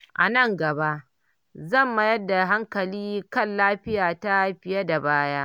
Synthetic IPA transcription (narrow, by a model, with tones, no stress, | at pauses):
ʔa̰˨nɐ˦˨ŋɡɐ˨ba˦ʔ | zɐ˦˨mːa˨jɐ˦dːa˨ɦa˦ŋkɐ˨liː˦kɐ˦nlaː˦ɸɪ˦jaː˨ta˦ɸɪ˨˦ja˦da˨baː˦jaː˦ʔ